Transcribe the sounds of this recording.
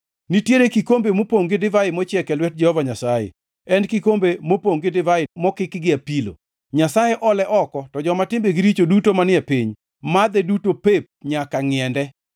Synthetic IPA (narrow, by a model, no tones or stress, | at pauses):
nitjeɾekikombemopoŋɡɪdɪvajɪmɔt͡ʃjɛkɛlwɛt̚d͡ʒɛhɔvaɲasajḛ | ɛnkikombemopoŋɡɪdɪvaɪmɔkɪkɡɪapilo̰ | ɲasajeʔɔlɛʔɔkɔtɔd͡ʒɔmatɪmbeɡiɾit͡ʃodutomanɪɛpiɲ | mad̪ɛdutopep̚ɲakaŋɪɛndɛ